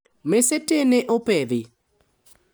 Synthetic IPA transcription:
meseteneʔopeðɪ

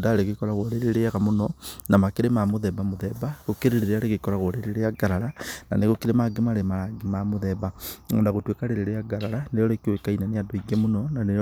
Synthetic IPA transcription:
daɾeɣekɔɾaɣoɾeɾeɾeaɣamonɔnamakeɾemamoðɛβamoðɛβaɣokeɾeɾeɾeaɾeɣekɔɾaɣoɾeɾeɾeaɡaɾaɾana̰neɣokeɾemaɡemaɾemaɾaɡemamoðɛβaŋɔndaɣotwekaɾeɾeɾeaɡaɾaɾaneɾɔɾekewekainaneadoiɡemonɔnane

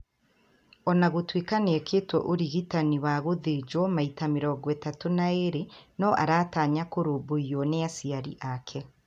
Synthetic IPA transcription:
ɔnaɣotwiːkaneɛkʰeːtwɔʔoɾiɣitaniwaɣoðed͡ʒwɔmaitameɾɔɡwɛtatonaeɾenɔʔa̰ɾaːtaːɲakoɾoboiɔneasiaɾḭʔakʰɛ

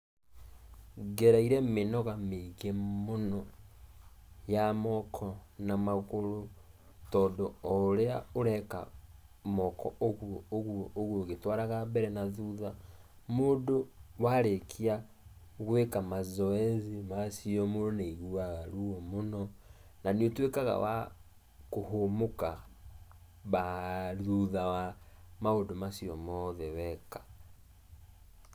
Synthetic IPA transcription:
ɡeɾaiɾemenɔɣameɣemonɔ | jamɔkʰɔnamaɣoɾo | tɔːndoːɾeaoɾɛka̰ | mɔkʰɔ̰ʔoɣuooɣuooɣuoɣetwaɾaɣabɛɾɛnaðuða | modowaɾekʰia | ɣwekamazɔɛzimasiɔmoɾoneiɣuaɣaɾuɔmonɔ | naniotwekaɣa̰wa̰ | kohomoka | βaðuðawamaodomasiɔmɔðɛwɛkḁ

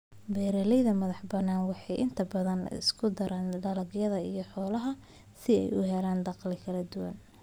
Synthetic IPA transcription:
bɛːɾɐlɛjðɐmɐðɑħbɐnaːnwɑħɑjʔɪnt̪ʰɐbɐðɐnɪ̰skʰʊd̪ɐɾʔaːnɖɐlɐɡjɐðɐijɞħɔːlɐɦɐ | sɪɛ̰jʊ̰ɦɛlaːnd̪ɑqlɪkʰɐlɐd̪ʊwɐ̰n

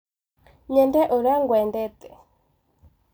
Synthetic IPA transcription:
ɲɛndɛʔoɾaŋɡwɛndɛt̪ɛ

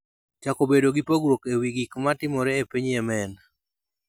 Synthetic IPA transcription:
t͡ʃakobedoɡipoɡɾwokewiɡikmatɪmɔɾɛepiɲɛmɛn

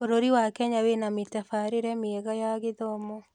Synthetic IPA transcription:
oɾoɾiwakɛɲawenametɛfaɾeɾɛmeɛɣajaɣeðɔmɔ

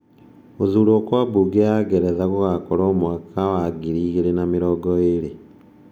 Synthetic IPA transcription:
ozuloːkwabuɡeaɡeɾezaɣuɣakoɾoːmwakʰawaɡiɾiɣeɾenamiɾoɡoeɾe

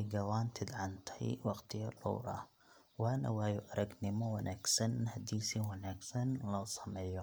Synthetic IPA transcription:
jɡɐwaːnt̪ʰɪd̪ʕɑnt̪ʰɛ̰jwɑqt̪ʰɪjɐlɔ̰wɾɐ̰ | waːnɐ̰waːjʊʔɐɾɐɡnɪmɔwɑnʔaːɡsɐnhɐd̪iːsiːwɑnaːɡsɐnlɔsɐmɛːjɔ

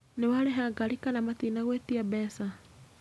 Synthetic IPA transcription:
newaɾeɦaɡalikanamatinaɣwetiabɛsa

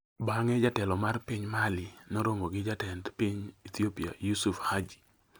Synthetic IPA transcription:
baŋɛd͡ʒatɛlɔmarpiɲmalɪnoɾoŋoɡɪd͡ʒatɛntpiɲit̪iopia̰jusufhad͡ʒi̥

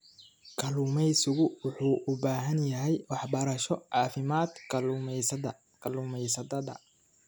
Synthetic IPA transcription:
kʰɐluːmɛjsɪɣʊwʊħuːʔʊbaːɦɐnjɐɦɛjwɑħbɐɾɐʃɔʕɑːfɪmaːd̪kʰɐlumɛsɐd̪ɐ | kʰɐluːmɛjsɐd̪ɐd̪ɐ̰

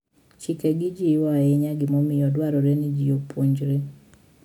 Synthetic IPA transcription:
t͡ʃikeɡɪd͡ʒiwaɛɲaɡɪmɔmɪjɔdwaɾɔɾenid͡ʒiopoɲd͡ʒɾe

